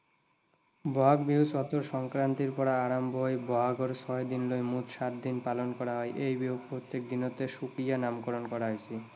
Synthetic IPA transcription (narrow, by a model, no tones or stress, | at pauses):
bɔɦaɡbisɔt̪oɾʃɔŋkɾant̪iɾpɔɾaaɾamboɦebɔɦaɡoɾsɔed̪inlojmut̪ʃat̪̚d̪inpalonkɔɾaɦɔeʔejbiopɾot̪ːek̚d̪inot̪eʃukɾijanamkɔɾonkɔɾaɦojt͡ɕʰi